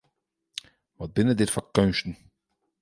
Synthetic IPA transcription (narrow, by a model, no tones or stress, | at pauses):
ʋɔt̚bɪnədɪtfɔkœnstn̩